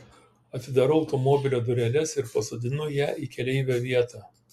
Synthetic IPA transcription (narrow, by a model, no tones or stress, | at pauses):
ɐt̪ʲɪd̪ɑɾʊɒʊt̪ɔmɔbʲɪlʲoːd̪ʊɾʲɛlʲɛsɪɾpɐsoːd̪ʲɪnʊjæːʔiːkʲɛlʲɛɪʋʲɛːʋʲiɛt̪ɑːˑ